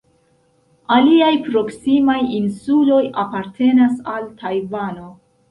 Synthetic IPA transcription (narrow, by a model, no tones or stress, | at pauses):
aliajpɾo̞ksimajinsulo̞japaɾtʰe̞nasaltʰajvano̞